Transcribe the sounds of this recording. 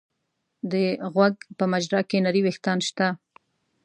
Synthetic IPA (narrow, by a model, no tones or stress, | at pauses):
d̪əɣwaɡpəmad͡ʒɾɑkenaɾiwext̪ɑnʃt̪a